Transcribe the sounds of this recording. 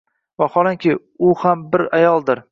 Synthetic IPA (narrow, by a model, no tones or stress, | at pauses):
vahɒlˠɪŋkʲʰɪ | ʊhambɪɾajɒlˠd̪ɪɾ